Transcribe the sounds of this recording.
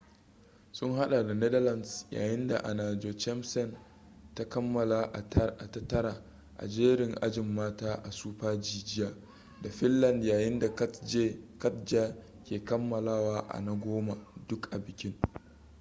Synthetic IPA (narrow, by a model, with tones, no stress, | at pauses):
sʊ˦ŋɦa˦ɗa˨da˨nɛ˦dɐ˦lɐ˨nsja̰ː˨jɪ˦nda˨ʔa̰˨naː˨d͡ʒo˨t͡ʃɛ˦msɛ˦˨n | ta˦kɐ˦mːɐ˨la˨ʔʔa˨tɐ˦tːɐ˦ɾa˨ | ʔa̰˨d͡ʒeː˦ɾɪ˨ŋʔa̰˦d͡ʒɪ˨mːaː˦taː˦ʔa˨suː˦ɸaː˦d͡ʒiː˦d͡ʒɪ˦jaː˦ | da˨ɸɪ˦lːɐ˨ndjaː˨jɪ˦nda˨˦d͡ʒe˦kɐ˦td͡ʒa˦ | kʲeː˨kɐ˦mːɐ˨laː˦waː˦ʔa̰˨na˦ɡʷoː˦ma˨dʊ˦kʔa˨bɪ˨kʲɪ˦ŋ